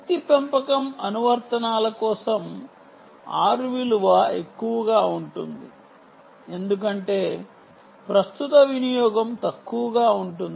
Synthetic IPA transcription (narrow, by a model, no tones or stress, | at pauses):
ɐt̪ipempɐkɐmɐnuʋɐɾt̪ɐnaːlɐkɔːsɐm | a̰ːɾuʋiluʋɐe̞kːuʋɐɡaːuɳʈund̪i | e̞nd̪uk̬ɐɳʈe̞ː | pɾɐst̪ut̪ɐʋinijɔːɡɐmt̪ɐkːuʋɐɡaːuɳʈund̪i